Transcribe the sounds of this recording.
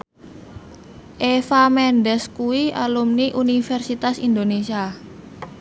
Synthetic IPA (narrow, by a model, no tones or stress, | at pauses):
ʔefamɛnɖɛskuwialumniʔunifɛrsit̪asind̪onesia